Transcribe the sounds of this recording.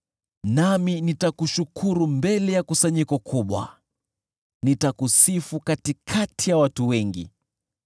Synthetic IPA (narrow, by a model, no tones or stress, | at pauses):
naminitakuʃukʰuɾumbɛlɛjakusaɲikɔkʰuɓwa̰ | nitakusifukatikʰatʰijawatuwɛŋɡḭ